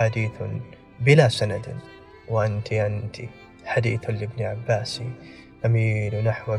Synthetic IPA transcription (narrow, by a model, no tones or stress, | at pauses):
ad̪iːθ | bɪlasanad̪ | wɪʔant̪ʰiʕʔant̪ʰi | ħad̪ḭːθlɪbniʕabːaːsiʔamiːnnaħwa